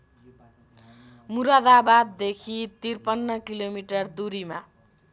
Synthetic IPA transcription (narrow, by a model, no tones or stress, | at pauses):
muɾʌd̪abad̪ːekʰit̪irpʌnːʌkilomiʈʌrd̪uɾima